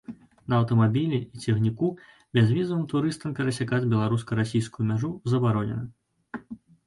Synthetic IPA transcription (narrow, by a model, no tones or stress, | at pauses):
nɐɐwt̪ɐmabʲilʲiit͡sʲɛɣnʲiku | bʲɛzvʲizɐvɨmt̪uɾɨst̪ɐmkɐɾɐsʲakad͡zʲbʲɛlˠaɾuskɐɾasʲijskujumʲaʐuzɐbaɾɔnʲɛ̰nɐ